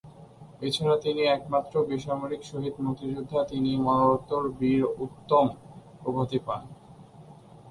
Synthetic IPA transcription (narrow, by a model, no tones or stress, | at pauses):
et͡ɕʰaɾat̪iniɛkmat̪ːɾobiʃamoɾikʃoɦid̪muk̚t̪ːid͡ʑud̪ʱːat̪inimɔnoɾot̪ːoɾbiɾut̪ːom | obʱot̪ipan